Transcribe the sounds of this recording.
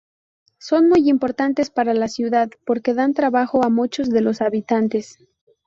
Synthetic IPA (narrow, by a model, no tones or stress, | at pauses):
so̞nmujimpo̞ɾt̪ant̪e̞spaɾalasjuðaðpo̞ɾke̞ðant̪ɾaβaxo̞amut͡ʃo̞zðe̞lo̞saβit̪ant̪es